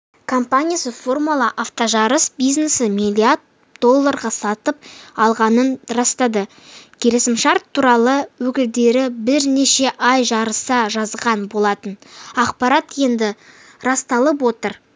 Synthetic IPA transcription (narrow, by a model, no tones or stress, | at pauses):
kʰo̞mpanʲijasəfo̞rmulˠɑʔaft̪oʒɑɾəsbijznesəmʲilʲˠijard̪̚ | d̪o̞lˠːaɾʁɑsɑt̪əp̚ɑlˠʁɑnənrɑst̪ɑd̪ə | kʲʰe̞lɪsɪmʃɑɾt̪ʰːuɾɑlˠəwɵkʲɪld̪e̞ɾɪbɪɾne̞ʃe̞ʔɑjʒɑɾəsɑʒɑzʁɑnbo̞lˠɑt̪ənɑqpɑɾɑt̪je̞nd̪ɪ | ɾɑst̪ɑlˠəp̬wo̞t̪əɾ